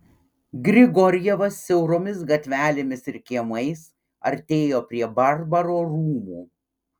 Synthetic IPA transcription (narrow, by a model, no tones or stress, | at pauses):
ɡɾʲɪɡɔɾʲjɛʋɐsːʲɛʊɾoːmʲɪs̬ɡɐt̪ʲʋʲæːlʲemʲɪsɪɾkʲiɛmɐɪs | ɐ̰ɾʲt̪ʲeːjoːpʲɾʲiɛbɐɾbɐɾoːɾuːmuː